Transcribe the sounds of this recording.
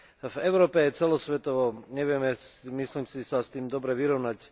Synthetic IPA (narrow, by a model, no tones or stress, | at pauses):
vɛʊɾɔːpɛjɛt͡sɛlɔsʋɛt̪ɔʋɔɲɛʋɪɛmɛsmisliːmsisast̪iːmd̪ɔbɾɛʋiɾɔʊnac